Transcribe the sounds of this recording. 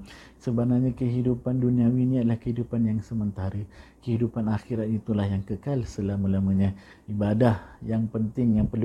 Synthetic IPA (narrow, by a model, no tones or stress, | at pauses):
səbanaɲakəɦidupanduniawiniadəlahkəɦidupanjaŋsəmənt̪aɾəkəɦidupanaxiɾat̪it̪ulahjaŋkəkalsəlaməlamaɲa | ibadahjaŋpənt̪ɪŋjaŋpərl